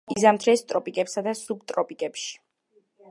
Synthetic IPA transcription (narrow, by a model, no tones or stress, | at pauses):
izamt̪ʰɾɛst̪ʼɾɔpʼikʼɛpsad̪asub̚t̪ʼɾɔpʼikʼɛpʃi̥